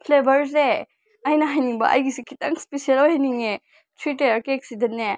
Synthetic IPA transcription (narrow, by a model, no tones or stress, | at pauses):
pʰlebʱɐɾse | ɐjnɐɦajniŋbɐ̰ʔɐ̰jɡisikʰitɐŋspesiɐlojɦejniŋe | tʰɾiteɾkeek̚sidene